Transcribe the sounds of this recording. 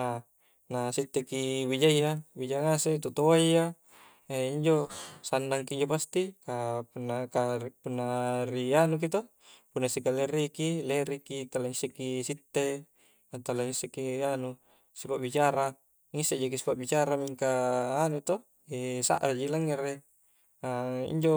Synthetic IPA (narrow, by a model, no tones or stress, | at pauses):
a | nasit̪ːekibid͡ʒajːabid͡ʒaŋaset̪ut̪owajːa | eiɲd͡ʒosandaŋkiiɲd͡ʒopast̪ikapunːakaripunːaɾianuk̬it̪o | punːasikaleɾikileɾikit̪alaŋisːekisit̪ːe | at̪alaŋisːekianu | sipaʔbit͡ʃaɾa | ŋisːeʔd͡ʒokisi̥paʔbit͡ʃaɾamiŋkaːnut̪o | esa̰ʔrad͡ʒilaŋːeɾe | aḭɲd͡ʒo